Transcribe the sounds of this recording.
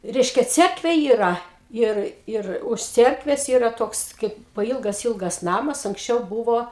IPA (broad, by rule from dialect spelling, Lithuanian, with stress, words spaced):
ˈrʲɛɪʃʲkʲɛ ˈt͡sʲɛrkʋʲeː iːˈrɐ ˈɪr ˈɪr ʊʃ ˈt͡sʲiɛrkʋʲɛs ˈiːrɐ ˈtoːks kɐɪp pɐˈiːlˠɡɐs ˈiːlˠɡɐs ˈnɑːmɐs ɐŋksʲˈt͡ʃʲɛʊ ˈbuːʋoː